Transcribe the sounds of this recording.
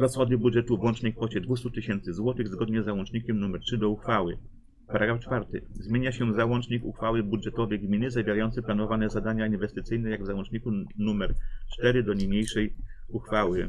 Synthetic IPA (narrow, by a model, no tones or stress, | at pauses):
ɾɔsxɔd̪ɘbudʐɛt̪uvwɔnt͡ʂɲɛkfɔt͡ɕɛd̪vust̪ut̪ɘɕɛnt̪sɘzwɔt̪ɘɣzɡɔd̪ɲɛzːawɔ̃nt͡ʂɲikʲɛmnumɛɾtʂɘd̪ɔuxfawɘ̰ | paɾaɡɾaft͡ʂfaɾt̪ɘ̰zmʲjeɲaɕɛzawɔnt͡ʂɲikṵxfawɘbudʐɛt̪ɔvɛjɡmʲinɘzavʲjeɾajɔnt̪sɘplanɔvanɛzad̪aɲainvɛst̪ɘt̪sɘjnɛjaɡvzawɔ̃nt͡ʂɲikunumɛɾt͡ʂt̪ɛɾɘd̪ɔɲimɲejʂɛjuxfawɘ